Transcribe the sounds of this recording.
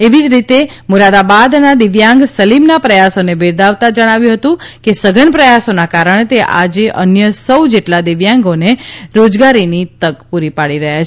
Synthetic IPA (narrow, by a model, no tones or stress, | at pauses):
eʋid͡ʒɾit̪e | muɾad̪abad̪nad̪ɪʋjãŋɡsəlimnapɾəjasonebeɾd̪aʋt̪ad͡ʒəɽ̃aʋjũɦət̪ũkesəɡʱənpɾəjasonakaɾəɳ̃et̪eʔa̰d͡ʒeʔənjəsəwd͡ʒeʈlad̪ɪʋjãŋɡoneɾod͡ʒɡaɾinit̪əkpuɾipaɽiɾəɦjat͡ʃʰ